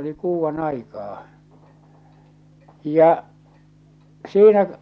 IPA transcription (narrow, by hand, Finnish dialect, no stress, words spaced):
oli kuːʋːɑnɑikɑː jɑ siːnæ